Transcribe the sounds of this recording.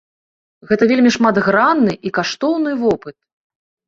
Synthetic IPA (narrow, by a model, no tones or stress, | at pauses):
ɣɛt̪ɐvʲelʲmʲiʂmad̪ɣɾanːɨʔikaʂt̪ɔwnɨvɔpɨt̪̚